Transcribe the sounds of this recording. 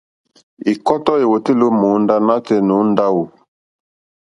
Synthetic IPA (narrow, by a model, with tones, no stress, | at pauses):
i˨kɔ˦tɔ˦e˨wo˨te˦lo˦mo˨˦nda˦na˦tɛ˦no˨˦n˦da˦wu˨